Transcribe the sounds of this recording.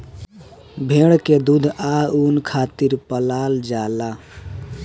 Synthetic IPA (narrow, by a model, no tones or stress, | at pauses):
bʱeɽked̪ud̪ʱaunkʰat̪iɾpəlald͡ʒala